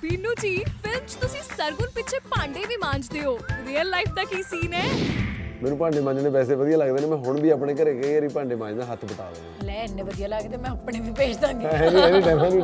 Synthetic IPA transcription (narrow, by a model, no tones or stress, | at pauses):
biːnũːd͡ʒiːpʰɪlmt͡ʃt̪ʊsĩːsəɾɡʊnpɪtːt͡ʃʰeːpãːɳɖeːʋiːmãːɲd͡ʒd̪eːoːɾiːəlːaːipʰd̪aːkiːsiːnɛːmɛ̃ːnũːpãːɳɖeːmãːɲd͡ʒnẽːpɛːs̬eːʋəd̪ijaːləɡd̪eːnẽːmɛ̃ːɦʊɳbiːaːpneːk̬əɾeːkeeɾiːpãːɳɖeːmãːɲd͡ʒd̪nãːɦət̪ʰbət̪a̰ːlə̰d̪ḛːlɛːɪnːẽːʋəd̪ijaːlaːɡeːt̪eːmɛ̃ːəpneːʋiːpeːt͡ʃd̪ãːŋɡiɦɛːnĩɦɛ̃ːnĩːʈɛːmɦɛːniː